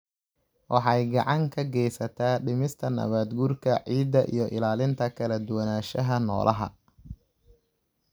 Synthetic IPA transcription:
wʔɑħɑjɡɑʕɑŋkʰɐɡɛjsɐt̪ʰaːɖɪmɪst̪ʰɐnɐ̰βaːd̪ɡurkʰɐʕiːd̪ːɐʔḭjɞʔɪlaːlɪnt̪ʰɐkʰɐlɐd̪ʊwɐnaːʃɐɦɐnɔ̰ːlʔɐɦɐ̰

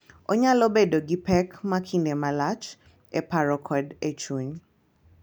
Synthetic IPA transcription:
oɲalobedoɡipɛkmakʰindemalat͡ʃ | epaɾɔkʰɔdet͡ʃwuɲ

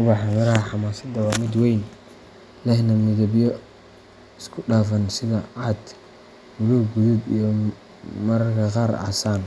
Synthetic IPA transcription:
ʊβɑħamɐɾɐɐħɑmaːsɐd̪ɐwɑːmɪd̪wɛjn | lɛhnɐmɪðɐbjɔ | ɪskʰʊɗaːfɐnsɪðɐaːd̪ | mʊluɡuðubijɔ | mɐɾkʰɐqaːɾa̰ːsaːn

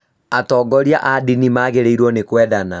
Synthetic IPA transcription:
atɔːɡɔɾjaʔadinimaːɣeɾeiɾwɔnekwɛːðana

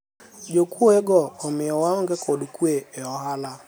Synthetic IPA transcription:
d͡ʒokuɔɛɡɔːmɛɔwaɔŋɡɛkʰɔɗukueɔɦala

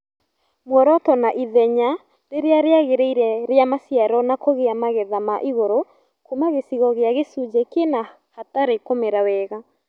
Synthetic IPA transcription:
mwɛɾɔtɔnaʔiðɛɲa | ɾeɾeaɾeaɣeɾeiɾɛɾeamasjaɾɔnakoɣeamaɣɛðamaʔiɣoɾo | kumaɣesiɣɔɣeaɣesud͡ʒekena | hataɾekomeɾawɛɣa

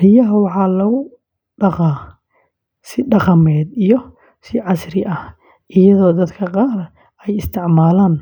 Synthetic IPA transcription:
rɪjɐɦɐwɑħɑːlɐɣʊ | ɖɑqɑː | sɪɖɑqɑmɛːd̪ijɔ | sɪʕɑsɾɪʔɐh | ʔɪjɐðɔːd̪ɐd̪kʰɐqɑːr | ɛjɪst̪ʰɪʕmaːlaːn

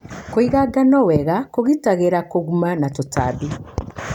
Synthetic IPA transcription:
koiɣaɡanɔwɛɣakoɣitaɣeɾakoɣumanatota̰ːbi

